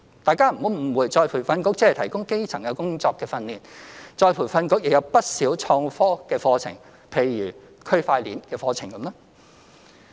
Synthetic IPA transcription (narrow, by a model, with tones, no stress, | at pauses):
t̪aː˨jkaː˥m̩˨˩ho˨˥m̩˨˩wuː˨˧jt͡sɔː˧jpʰuː˨˩fɐ˧nkʊ˧˥k̚t͡sɐ˥hɐ˨jt̪ʰɐ˨˩jkʊ˥ŋke˥jt͡sʰɐ˨˩ŋjɐ˨˧wkʊ˥ŋt͡sɔː˧kːɛː˧fɐ˧nliː˨˩nt͡ʃɔː˧jpʰu˨˩jfɐ˧nkʊ˧˥k̚jɪ˨k̚jɐ˨˧wpɐ˥t̚siː˨˥wt͡ʃʰɔː˧ŋfɔː˥kɛː˧fɔː˧t͡sʰɪ̰˨˩ŋ | pʰe˨˩jɥyː˨˩ | kʰɵ˥ɥfaː˧jliː˨˥nkɛː˧fɔː˧t͡sʰɪ˨˩ŋkɐ˨˧˥mlɛ˥